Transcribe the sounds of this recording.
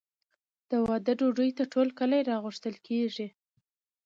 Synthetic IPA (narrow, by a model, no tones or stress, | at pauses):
d̪̥əwɑd̪əɖoɖujt̪aʈʰolkəlajɾɑɣʊʂt̪əlkʰeʐi